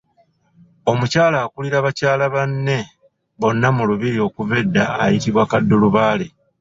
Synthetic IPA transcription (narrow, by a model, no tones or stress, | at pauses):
o̞mucaːlaːkuliɾaβacaːlaβanːe̞ | βo̞nːamuluβiɾio̞kuve̞dːaːjitiβwakadːuluβaːle̞